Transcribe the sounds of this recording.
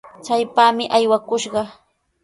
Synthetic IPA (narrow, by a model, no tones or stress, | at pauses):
t͡ʃajpaːmɪʔajwakʊʃɢɑ